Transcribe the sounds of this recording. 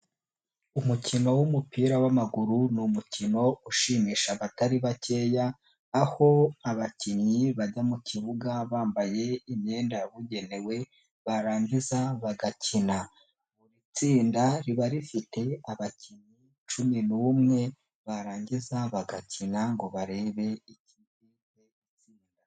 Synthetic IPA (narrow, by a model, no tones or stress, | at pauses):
umucino̞wumupiːɾawamaɡuɾunumucino̞uʃiːmiːʃaβataɾiβace̞ːjaː | ho̞aβaciɲɲiβaɟamuciβuɡaβaːmbaje̞imɲe̞ːndaβuɟe̞ne̞we̞ | βaɾaːɲɟizaβaɡacina | βuɾit͡siːndaɾiβaɾifite̞aβaciɲi | t͡ʃuminuːmŋe̞ | βaɾaːɲɟizaβaɡacinaŋɡo̞βaɾe̞ːβe̞icidi | βe | t͡siːnda